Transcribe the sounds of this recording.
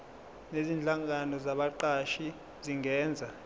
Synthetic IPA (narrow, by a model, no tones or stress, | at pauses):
nezind͡ɮʱaŋɡanɔzaɓaǃaʃi | ziŋɛːnd͡zʱa